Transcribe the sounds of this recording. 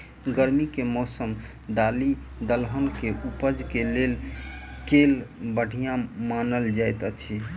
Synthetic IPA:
ɡəɾmikemɔsəm | d̪alid̪əlɦənkeʔupəd͡ʒkelelkelbəɽ̤ʱijãmanəld͡ʒajt̪ət͡ʃʰi

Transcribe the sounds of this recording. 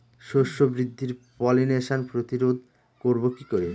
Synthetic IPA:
ʃoʃːobɾid̪ʱːiɾpɔlineʃanpɾot̪iɾod̪̚ʱ | koɾbokikoɾe

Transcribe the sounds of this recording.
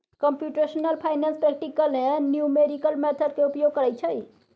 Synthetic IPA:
kəmpjuʈesnəlpʰajnanspɾɛk̚ʈikəlmenjumeɾikəlmet̪ʰəd̪̚keupjoɡ̚kəɾəjt͡ʃʰəj

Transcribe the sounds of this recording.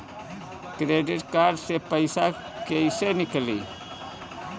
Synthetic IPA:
kɾeɖiʈkaɾɖsepəjsa | keisenikəli

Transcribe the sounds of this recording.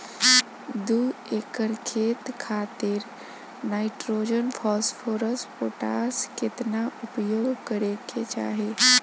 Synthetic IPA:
d̪uekəɾkʰeːt̪kʰaːt̪ɪɾ | naːɪʈɾoːd͡ʒənpʰɔːspʰoːɾəsʈpoːʈaːskɪt̪naʔʊpjoːɡkəɾeket͡ʃa̰ːɦe

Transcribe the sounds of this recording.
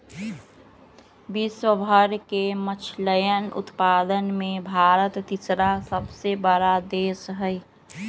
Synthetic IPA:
biswəbʱəɾkemət͡ʃʰləjənʊ̰t̪paːd̪ənmẽbʱaːɾət̪ːɪsɾasəbsebəɾad̪eːsɦəi

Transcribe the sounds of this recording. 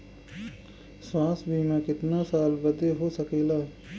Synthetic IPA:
swaːsbʱiːnãkɪt̪nasaːlbɐd̪eɦosɐkeːlaːɦɛ

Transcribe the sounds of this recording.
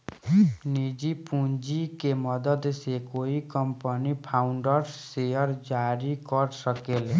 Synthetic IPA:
nid͡ʒipund͡ʒikemʌd̪əd̪sekoikʌmpənipʰawɳɖəɾsejʌɾd͡ʒaɾikʌɾsʌkele

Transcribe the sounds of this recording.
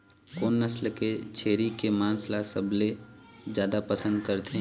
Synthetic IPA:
koːnːəslket͡ʃʰeːɾikemaːnslasɐbled͡ʒjaːd̪apɐsə̃nd̪̚kəɾt̪ʰe

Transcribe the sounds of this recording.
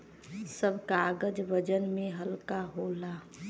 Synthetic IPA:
səbʱkaɡəd͡ʒʋəd͡ʒənmeɦəlkaɦola

